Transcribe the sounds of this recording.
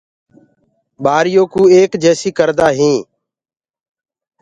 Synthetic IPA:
ɓaːɾɪjoːkũːeːkd͡ʒɛːsiːkəɾd̪aːɦĩː

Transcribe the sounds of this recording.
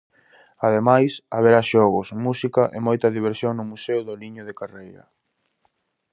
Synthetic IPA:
að̞emajsaβeɾaʃɔɣʊsmusikɐʔemojt̪ɐðiβeɾsjoŋnʊmusewðʊliɲʊðekarejɾɐ̰

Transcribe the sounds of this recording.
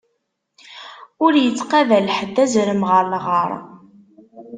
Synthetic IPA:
ʊɾjət͡sːqævælħəd̪ːæzɾəmʁəɾʁəɾˤ

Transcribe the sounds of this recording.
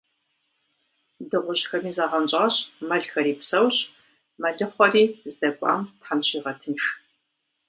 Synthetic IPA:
dɨʁʷʊʑxɐmiːzaːʁɐnt͡ɕʼɐɐɕmɐɮxɐɾiːpsɐwɕ | mɐɮɨχʷɔriːzɨdɐkʷʼa̰ːmtħamɕiːʁɐtʰɨnx

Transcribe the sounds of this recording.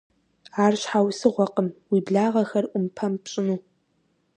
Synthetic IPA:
aːrɕħawsɨʁʷɔqəmwiːbɮaːʁɐxɐrʔʷʊmpʰɐmpɕʼɪnuː

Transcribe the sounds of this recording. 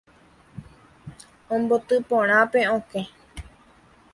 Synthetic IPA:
õmbot̪ɨpõɾ̃ãpe̞õkẽ

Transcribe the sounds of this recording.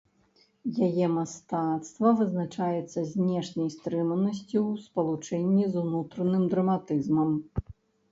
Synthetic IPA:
jajɛmast̪at̪st̪vɐvɨznat͡ʂajɛt̪sːɐzʲnʲɛʂnʲɐjst̪ɾɨmɐnɐs̬ʲt͡sʲiwspɐlˠut͡ʂɛnʲːizunut̪ɾɐnɨmd̪ɾɐmat̪ɨzmɐm

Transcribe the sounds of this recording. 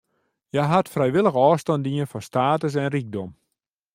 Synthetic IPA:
jɛɦatfrɛjʋɪlˠəɣəɔːstɔndiənfɔstaːtəs̬ɛnrik̚dɔm

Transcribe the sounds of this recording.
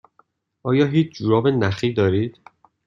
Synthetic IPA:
ʔɒːjɒːɦiːt͡ʃʰd͡ʒuɾɒːbenæxiːd̪ɒːɾiːd̪̥

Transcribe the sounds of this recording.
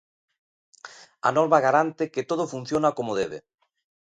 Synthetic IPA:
a̰nɔɾβaɣ̞aɾant̪eket̪oð̞ofun̟θjonakomoðeβḛ

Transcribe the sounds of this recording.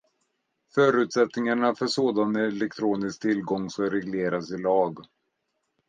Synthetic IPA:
fœːɾʉ̟t̪sɛt̪nɪŋaɳafœʂoːd̪anɛɛlɛk̚t̪ʰɾuːnɪsk̚t̪ʰɪlɡɔŋːsɔɾɛɡleːɾasɪlɑːɡ

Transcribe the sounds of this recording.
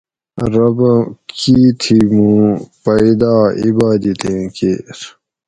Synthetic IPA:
ɾɐbkiːt̪ʰimũpɐid̪aːḭbaːd̪it̪ẽkḛɾ

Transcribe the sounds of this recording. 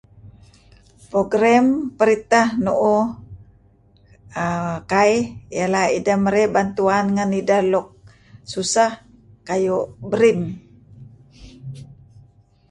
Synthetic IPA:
pɾoɡɾampəɾit̪ahnoʔo | kaijalahḭdaməɾɛbant̪uanŋanidalɔk̚ | susah | kajoʔbəɾim

